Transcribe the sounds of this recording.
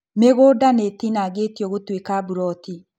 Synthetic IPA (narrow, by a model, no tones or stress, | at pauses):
meɣoːdanetinaɡetjɔɣotwekabuɾɔti